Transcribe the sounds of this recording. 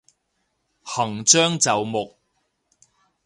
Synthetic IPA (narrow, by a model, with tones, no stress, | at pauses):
hɐ˨˩ŋt͡ʃœː˥ŋt͡sɐ˨wmʊ˨k̚